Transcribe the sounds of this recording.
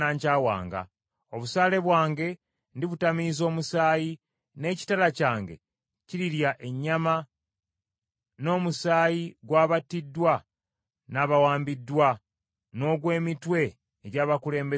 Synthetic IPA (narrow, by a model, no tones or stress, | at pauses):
aːɲcaːwa̰ːŋɡa̰ | o̞βusaːle̞βwaːŋɡe̞ | ndiβutamiːzo̞ːmusaːji | ne̞ːci̥talacaːŋɡe̞̰ | ciɾiɾjaʔe̞ɲːama | no̞ːmusaːjiɡwaːβatidːwa | naːβawaːmbidːwa | no̞ːɡwe̞ːmitwe̞ː | ɟaːβakule̞ːmbe